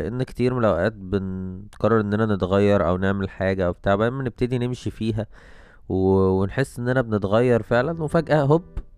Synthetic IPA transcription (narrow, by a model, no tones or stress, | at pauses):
ʔenːkt̪iːɾmelæwʔæːt̪̚benqɑrˤːɑɾˤʔenːʔænænet̪ɣɑjːɑɾˤʔæwneʕmelħaːɡæʔæwbet̪aːʕbæmːæneb̚t̪æd̪inemʃifiːɦæ | wwenħesːʔenːʔænæbenet̪ɣæjːɑɾˤfeʕlænwefæɡʔæɦobː